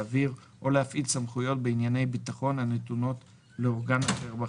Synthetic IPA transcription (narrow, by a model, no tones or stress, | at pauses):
viʁ | ʔo̞lehafʔilsamχujo̞t̚beinjane̞jbitaχo̞nane̞tuno̞t | leoʁɡanaχeʁba